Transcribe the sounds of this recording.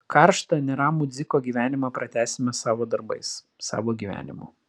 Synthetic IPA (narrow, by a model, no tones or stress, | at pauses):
kɑɾʃt̪ɐnʲɛɾɑːmʊd̪zʲɪkoːɡʲiːʋʲæːnʲɪmɐpɾɐt̪ʲæːsʲɪmʲɛsɑːʋoːd̪ɐɾbɐ̰ɪs | sɑ̰ːʋoːɡʲiːʋʲæ̰ːnʲɪmʊ̰ː